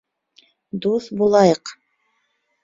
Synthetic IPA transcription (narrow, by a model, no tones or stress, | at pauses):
d̪uθbulˠɑjɤq